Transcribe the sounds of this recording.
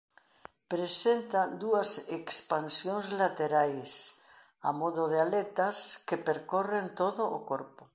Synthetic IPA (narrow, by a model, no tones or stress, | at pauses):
pɾesent̪ad̪uasekspansjonzlat̪eɾajs | a̰moðoð̞ealet̪askepeɾkorent̪oðoʔːkoɾpo